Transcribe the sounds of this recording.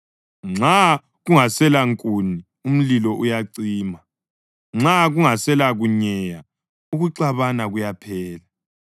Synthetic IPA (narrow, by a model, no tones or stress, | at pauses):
ŋ͡ǁa | ɣuŋasɛlaŋkʼuni | um̩lilɔʔujaǀiːma | ŋ͡ǁaɣuŋasɛlaɣuɲɛja | uɣuǀaβanaɣujapʰɛːla